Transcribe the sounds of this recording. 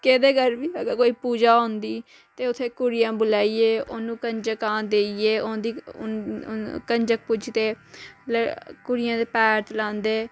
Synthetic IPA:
keːd̪eːkəɾbiːəɡəɾkoːiːpuːd͡ʒaːɦõːnd̪iː | t̪eːʊt̪ʰːeːkʊɽɪjãːbʊlaːiːeːonũːkənd͡ʒəkãːd̪eːieːõd̪i | kənd͡ʒək̚pʊd͡ʒt̪eːləkʊɽɪjãːd̪epɛːɾt̪lãːnd̪eː

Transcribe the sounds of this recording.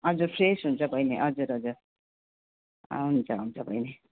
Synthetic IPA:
ʌd͡zurpʰresɦunt͡sʰʌbʱʌjneʔʌd͡zuɾʌd͡zur | ʌɦunt͡sʰʌɦunt͡sʰʌbʱʌjne

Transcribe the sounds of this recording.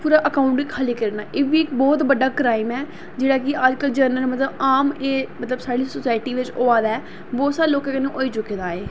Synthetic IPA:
puːɾaːʔəkaːʊ̃ɳʈikʰaliːkəɾnaːʔeːʋiːɪkbɔːt̪bəɖaːkɾaːɪmɛː | d͡ʒeːɽaːkɪaːd͡ʒkəld͡ʒəɾnəlmət̪ləbaːmeːmət̪ləbsaːɽiːsosaːɪʈiːʋɪt͡ʃoːaːd̪ɛː | ʋoːsaːloːkãːkɪnũːʔoːiːt͡ʃʊkeːd̪aːeː

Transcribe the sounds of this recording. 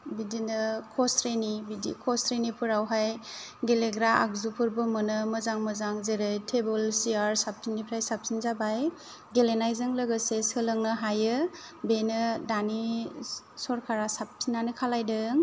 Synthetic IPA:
bidinɯkʰɔstɾenibidḭkʰɔstɾenipʰɯɾawɦajɡeleɡɾaʔa̰k̚zupʰɯɾbɯmɯnɯmɯzaŋmɯzaŋzeɾɯjtʰebɯlsiaɾsap̚tʰinipʰɾajsap̚tʰinzabaj | ɡelenajzɯŋlɯɡɯsesɯlɯŋnɯɦajɯ | benɯdani | sɔɾkʰaɾasap̚tʰinːanɯkʰalajdɯŋ

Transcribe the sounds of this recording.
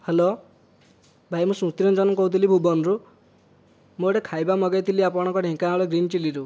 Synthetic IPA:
helo | bʱajmũsũt̪ɾɔnd͡ʒɔnɔkɔɦut̪ʰilibʱubɔnɾu | moɽekʰajbamɔɡajt̪ʰiliapɔɽ̃ɔ̃ŋkɔɖʱĩkaɭɔɡɾint͡ʃiliɾu

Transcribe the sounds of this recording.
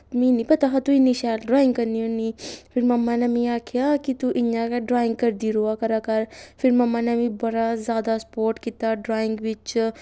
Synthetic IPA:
mĩnĩpɐt̪aɦat̪uinːiʃaːlɖɾaːɪ̃ŋɡkɐɾnionifɪɾmɐmːanɐmĩjaːkʰjakit̪uʔɪnjakɖɾaːɪ̃ŋɡ̚kɐɾd̪iɾuakɐɾakɐɾfʰɪɾmɐmːanɐmĩbɐɾazjaːd̪aspoːɾʈkit̪aɖɾaːɪ̃ŋɡʋɪt͡ʃ

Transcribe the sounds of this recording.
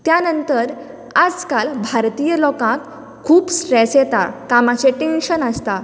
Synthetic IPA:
t̪janənt̪əɾ | ad͡zkalbʱaɾt̪ijəlɔkãk | kʰuːpsʈɾesjet̪a̰kamat͡ɕeʈẽnɕənəst̪a

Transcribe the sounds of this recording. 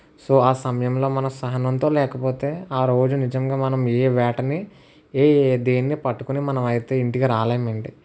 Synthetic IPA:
soːaːsɐmɐjɐmlo̞ːmɐnɐmsɐɦɐnɐnt̪o̞ːlɛːkɐpo̞ːt̪e̞ːaːɾo̞ːd͡ʒunid͡ʒɐmɡaːmɐnɐmeːʋaːʈɐni | eːd̪eːnːipɐʈːu̥kunimɐnɐmɐjt̪e̞ːiɳʈiɡaɾaːleːjɐmɐɳɖi

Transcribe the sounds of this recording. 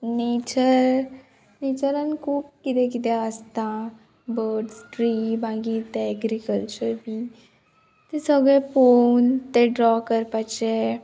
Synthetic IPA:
neːt͡ʃəɾ | neːt͡ʃəɾənkuːkkːit̪ekit̪east̪ãː | bəːɖsʈɾiːbãːɡit̪eɛɡɾikəlt͡ʃəɾbiː | t̪esɔːɡepoːnt̪eɖɾɔːkəɾpat͡ʃeː

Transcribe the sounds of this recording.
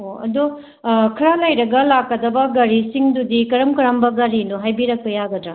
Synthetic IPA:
ɦoɐ̰do | kʰɐɾalɐjɾɐɡɐlakːɐdɐbɐɡɐɾisiŋdudikɐɾɐmkɐɾɐmbɐɡɐɾinuɦajbiɾɐkːɐjaɡɐd̪ɾa

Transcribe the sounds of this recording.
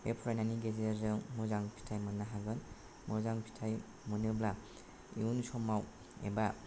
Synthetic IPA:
ḛpʰɾajnaniɡezeɾzelmɯzaŋpʰi̥tʰajmɯnːaɦaɡɯn | mɯzaŋpʰi̥tʰaj | mɯnɯbla | ḭunsɔmaw | ḛba

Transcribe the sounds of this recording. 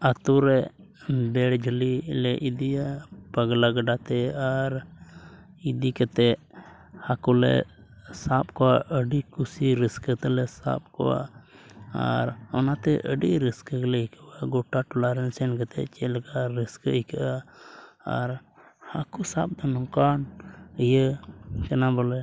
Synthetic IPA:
at̪uɾɛ | bɛɽd͡ʒʱəlilɛʔid̪iapəɡlaɡəɖat̪ɛaɾ | id̪ikət̪ɛ | hakulɛ̰ | sap̚kɔwaʔəɖikusiɾiskət̪ɛlɛsa̰p̚kɔ̰wa̰ | a̰ɾɔnat̪ɛʔəɖiɾiskəklɛikʰəwaɡɔʈaʈɔlaɾɛnsɛnkət̪ɛ̰t͡ʃɛlkaɾiskəikəʔa̰ː | ɾhakusap̚d̪ɔnɔkanjəkɛnabɔlɛ

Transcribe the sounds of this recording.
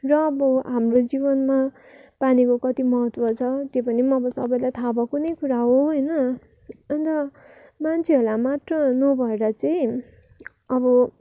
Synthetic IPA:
rʌːbʌɦamrod͡zibʌnma | panikokʌt̪imʌɦʌt̪wʌt͡sʰʌt̪jopʌnimʌbʌsʌbʌjlajt̪ʰabʌkunʌjkuɾaɦoɦʌjnʌ | ʌnt̪ʌ | mant͡sʰeɦolamat̪rʌnʌbʱʌeɾʌt͡sʌĩ | ʌbʌ

